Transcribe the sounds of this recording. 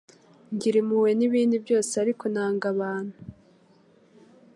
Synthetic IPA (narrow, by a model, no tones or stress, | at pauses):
ɲɟiɾimuwe̞niβiːndibjo̞ːseaɾikʰonaːŋɡaβaːn̥hu